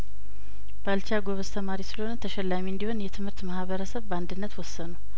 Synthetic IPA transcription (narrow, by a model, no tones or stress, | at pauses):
b̥əalt͡ʃaɡoβəst̪ʰəmaɾisɨləho̞nət̪ʰəʃɛlːamiɨnd̪iho̞njɛt̪ʰɨmhɨɾt̪mahβəɾəsəβband̪ɨnːət̪wɔsːənuw